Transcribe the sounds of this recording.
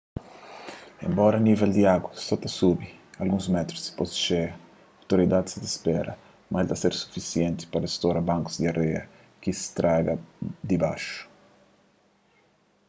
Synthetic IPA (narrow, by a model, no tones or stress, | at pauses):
ḛmbɔɾanivɛld̪iaɡwasɔt̪asubialɡũzmɛt̪ɾusi̥pɔst͡ʃe | awt̪oɾid̪ad̪sd̪ispɛɾɐ̰ | mʔaɛlt̪aseɾsu̥fisjɛnt̪i̥paɾest̪oɾɐbãŋku̥zd̪iarɛɐ | kist̪ɾaɡɐd̪iba̰ʃʊ̥